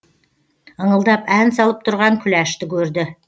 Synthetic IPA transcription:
əɴəlˠd̪ɑpænsɑlˠəp̚t̪ʰʊɾʁɑŋkʲʰʏlæʃt̪ɪkʲʰɵɾd̪ɪ

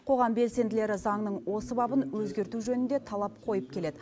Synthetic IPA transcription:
qʰo̞ʁɑmbe̞lse̞nd̪ɪle̞ɾɪzɑŋnəɴwo̞səbɑbənwɵzɡʲe̞ɾt̪uʒɵnɪnd̪e̞t̪ʰɑlˠɑp̚qʰo̞jəp̚kʲʰe̞le̞d̪ɪ

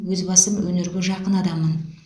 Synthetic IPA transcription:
wɵzbɑsəmwɵnɪɾɡʲɪʒɑqənɑd̪ɑmːən

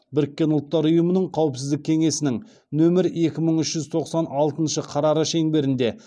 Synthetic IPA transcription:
bɪɾɪkʲːe̞nʊlˠt̪ːɑɾʊjəmənəɴqʰɑwəpsɪzd̪ɪkʲʰe̞ŋe̞sɪnɪŋ | nɵmɪɾe̞kʲɪməɴʏʃʒ̥ʏzt̪ʰo̞qsɑnɑlˠt̪ənʃəqʰɑɾɑɾəʃe̞ŋbe̞ɾɪnd̪e̞

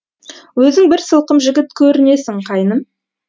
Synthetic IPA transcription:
wɵzɪŋbɪɾsəlˠqəmʒɪɡʲɪt̪kʲʰɵɾɪne̞sɪŋqʰɑjnəm

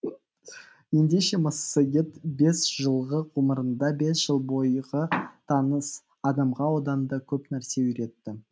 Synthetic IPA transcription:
je̞nd̪e̞ʃe̞məsːəjet̪be̞sʒ̥əlˠʁəʁʰuməɾənd̪ɑbe̞sʒ̥əlˠbo̞jʁət̪ʰɑnəs | ɑd̪ɑmʁɑwod̪ɑnd̪ɑkʲʰɵpnæɾse̞ʏɾe̞t̪ːɪ

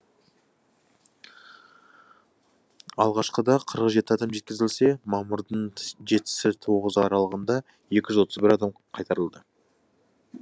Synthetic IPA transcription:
ɑ̰lˠʁɑʃqəd̪ɑqʰəɾəqʒe̞t̪ɪɑd̪ɑmʒe̞t̪̚kʲɪzɪlse̞mɑmʊɾd̪əɴʒe̞t̪ɪ̥sɪt̪ʰo̞ʁəzɑɾɑlˠəʁənd̪ɑ | je̞kʲɪʒʏzwo̞t̪əzbɪɾɑd̪ɑmqʰɑjt̪ɑɾəlˠd̪ə

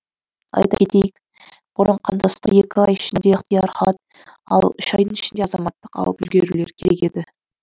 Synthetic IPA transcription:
ɑ̰jt̪ɑkʲʰet̪e̞jɪk | b̥ʊɾʔəɴqʰɑnd̪ɑst̪ɑje̞kʲɪɑjɪʃɪnd̪eqt̪əjɑɾχɑt̪̚ | ɑ̰lˠʏʃɑjd̪ənɪʃɪnd̪eɑzɑmɑt̪ːəqɑ̰lˠəpʏlɡʲeɾule̞̰ɾkʲʰe̞ɾe̞kʲe̞d̪ɪ

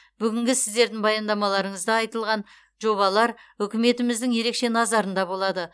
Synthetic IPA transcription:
b̥ʏɡʲɪŋɡʲɪsɪzd̪e̞ɾd̪ɪŋbɑjɑnd̪ɑmɑlˠɑɾəɴəzd̪ɑɑjt̪əlˠʁɑn | ʒo̞βɑlˠɑɾɵkʲɪme̞t̪ɪmɪzd̪ɪŋje̞ɾe̞kʃe̞nɑzɑɾənd̪ɑbo̞lˠɑd̪ə

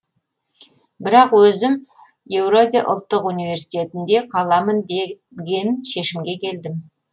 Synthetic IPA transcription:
bɪɾɑqwɵzɪm | je̞wɾozʲijʔʊ̰lˠt̪ːəqunijve̞ɾsi̥t̪ʲe̞t̪ɪnd̪e̞qʰɑlˠɑmənd̪e | ɡʲe̞nʃe̞ʃɪmɡʲe̞kʲʰe̞ld̪ɪm

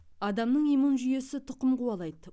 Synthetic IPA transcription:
ɑd̪ɑmnəɴijmunʒʏje̞sɪt̪ʰʊqəmquwɑlˠɑjd̪ə

